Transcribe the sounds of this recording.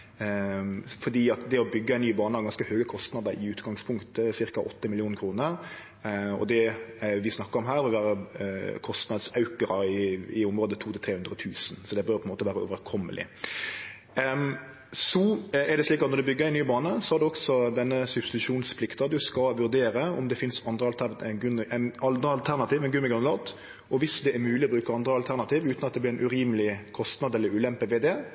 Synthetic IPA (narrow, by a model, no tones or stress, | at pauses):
fɔɖ̪iːɑt̪d̪ɛɔbʏɡːəɛnyːbɑːnəɑʋɡɑnskəhøːɡəkʰɔst̪nɑd̪əɾɪʉːt̪ɡɑŋspʰʊŋkt̪əsɪɾkɑʔɔt̪ːəmɪlɪuːnəkʰɾuːnəɾ | ɔ̰d̪ɛʋɪsnɑkːəɾɔmɦæːɾʋɔʋæːɾəkʰɔst̪nɑd̪sɑʉkəɾɑɪɪʊmɾoːd̪ət̪ʰuːt̪ɪlt̪ʰɾeːhʉnd̪ɾət̪ʰʉːsən̩sɔd̪ɛbœɾpʰɔɛnmoːt̪əʋæːɾəʔo̰ːʋəkʰɔmːə̰lʔɪ̰ | sɔɛd̪ɛsliːkɑt̪nɔɾd̪ʉbʏɡːəɾɪnyːəbɑːnəsɔhɑɾd̪ʉɔksɔd̪ɛnːəsʉbst̪ɪt̪ʉʃuːnspʰlɪkt̪ɑd̪ʉskɑʋʉɾd̪eːɾəɔ̰md̪ɛfɪnsɑnd̪ɾəlʉnɑld̪ɾəɑlt̪ʰæʁnɑt̪iːʋɛnɡʉmɪɡʉnlɑd̪ | ɔʋɪsd̪ɛæɾmʉːlɪɔbɾʉːkəʁɑnd̪ɾəɑlt̪ʰæʁnɑt̪iːʋʉːt̪nɑt̪d̪ɛblɪːʁɛnʔʉɾiːmlɪkʰɔst̪nɑd̪ɛlːəɾʉːlɛmpəʋeːd̪ɛ